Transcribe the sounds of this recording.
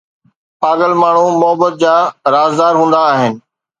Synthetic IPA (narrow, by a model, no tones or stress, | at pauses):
paːɡəlmaːɳ̤ũmʊɦəbət̪̚d͡ʑaːɾaːzd̪aːɾɦũːnd̪aːɦɪnɪ̆